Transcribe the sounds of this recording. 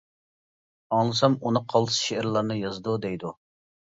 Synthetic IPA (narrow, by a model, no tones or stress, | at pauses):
ɑŋlˠɨsɑmunɨqʰɑlˠɨ̥sʃeɾlˠɑɾnɨjɑzd̪ud̪ɛjd̪u